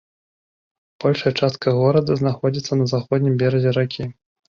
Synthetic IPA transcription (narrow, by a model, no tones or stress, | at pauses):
b̥ɔlʲʂɐjɐt͡ʂast̪̚kɐɣɔɾɐd̪ɐznaxɔd͡zʲit̪sːɐnɐzaxɔd̪̚ʲnʲimbʲɛɾɐd͡zʲɛɾakʲi